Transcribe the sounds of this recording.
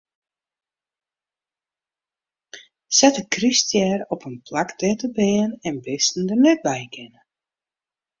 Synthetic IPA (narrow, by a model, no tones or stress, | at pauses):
sɛtəkrystjɛrɔpənpʰlakdɛtəbɪːənɛnbɪstn̩dənɛt̚bɛjkʰɪnə